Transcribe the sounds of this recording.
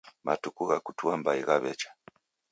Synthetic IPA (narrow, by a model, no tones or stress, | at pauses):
matukuɣakutuambaiɣaβɛt͡ʃḁ